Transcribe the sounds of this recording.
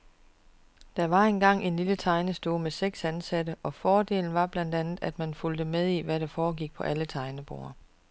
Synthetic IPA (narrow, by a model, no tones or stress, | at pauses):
d̥ɑ̈ʋɑ̈e̝nɡ̥ɑ̈ŋ̰e̝nlilət͡sʰɑ̈ɪnəsd̥o̝ːmeseɡ̥sænsædəʔɒ̽fɒːd̥e̝̰ːln̩ʋɑ̈b̥læn̰d̥ænð̩ˠæd̥mænfuld̥əmeð̞ˠiʋæɾɑ̈fɒːɡiɡ̥̚pʰɒ̽ʔælət͡sʰɑ̈ɪnəb̥o̝̰ːɐ